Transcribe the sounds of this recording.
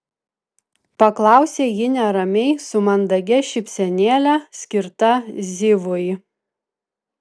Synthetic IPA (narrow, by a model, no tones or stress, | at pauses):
pɐklˠɑˑʊsʲeːjɪnʲɛɾɐmʲɛɪsʊmɐnd̪ɐɡʲɛʃʲɪpʲsʲɛnʲeːlʲæsʲkʲɪɾt̪ɐzʲɪʋʊj